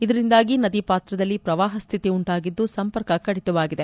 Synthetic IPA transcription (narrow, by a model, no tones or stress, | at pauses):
id̪ɐɾind̪aːɡinɐd̪ipaːt̪ɾɐd̪ɐlːipɾɐʋaːɦɐst̪ʰit̪iuɳʈaːɡid̪ːusɐmpɐɾkɐkɐɽit̪ɐʋaːɡid̪e